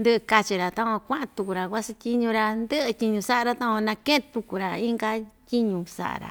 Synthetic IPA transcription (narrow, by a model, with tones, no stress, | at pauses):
nd̪ɨ˦ʔɨ˧ka˧t͡ʃi˧ɾa˨t̪ã˦kʷã˧kʷã˦ʔã˧t̪u˧ku˨ɾa˨kʷa˦si˧tʲi˦ɲũ˧ɾa˧nd̪ə˦ʔɨ˧tʲi˧ɲũ˧sa˦ʔa˧ɾa˧t̪ã˦kʷã˧nã˧kẽ˦ʔt̪u˧ku˨ɾa˨i˦ŋɡa˧tʲi˦ɲũ˧sa̰˨ʔa̰˨ɾa̰˨